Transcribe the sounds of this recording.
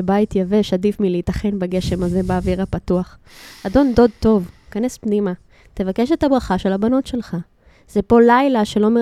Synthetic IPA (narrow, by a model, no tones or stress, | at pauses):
ebajitjaveʃadifmileitɐχe̞nbeɡe̞ʃe̞maze̞beːviʁapatuaχado̞nd̪o̞d̪̚t̪o̞vkane̞spnima | te̞vakeʃet̪abʁaχaʃe̞labano̞tʃe̞lχa | z̥epo̞lajlaʃe̞lo̞me